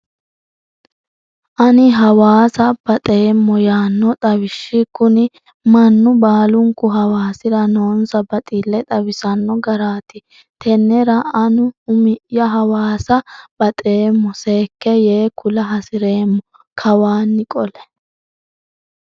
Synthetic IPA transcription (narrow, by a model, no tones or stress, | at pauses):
ʔɐnɪɦɐwaːsɐb̥ɐt̪ʼe̞ːmːɔjaːnːɔt̪ʼɐwɪʃːɪkʊnɪ | mɐnːʊbaːlʊŋkːʊɦɐwaːsɪɾɐnoːnsɐbɐt̪ʼilːɛt̪ʼɐwɪsɐnːɔɡɐɾaːt̪ɪ | t̪ʰɛnːɛɾɐɐnʊʊmɪʔjːɐɦɐwaːsɐb̥ɐt̪ʼe̞ːmːɔseːkːɛjeːkʊlɐɦɐsɪɾe̞ːmːɔ | kʰɐwaːnːɪkʼɔlɛ̥